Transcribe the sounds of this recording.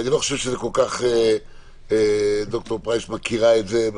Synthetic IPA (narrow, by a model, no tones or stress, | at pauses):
aniloχaʃevʃezekolkaχe | ed̪ok̚t̪oʁpʁajʃmakiʁaetzeb